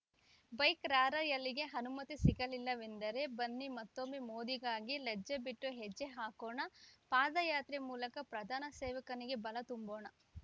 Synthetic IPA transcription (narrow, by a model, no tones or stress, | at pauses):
bɐjkɾaːɾɐjɐlːiɡe̞ɦɐnumɐt̪isiɡɐlilːɐʋend̪ɐɾe̞bɐnːimɐt̪ːomimoːd̪iɡaːɡiled͡ʒːɐbiʈːuɦɛd͡ʒːeɦaːkoːɳɐpaːd̪ɐjaːt̪ɾimuːlɐkɐpɾɐd̪ʱaːnɐseːʋɐkɐniɡe̞bɐlɐt̪umboːɳɐ